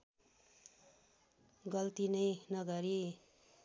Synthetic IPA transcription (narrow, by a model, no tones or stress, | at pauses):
ɡʌlt̪inʌjnʌɡʌɾi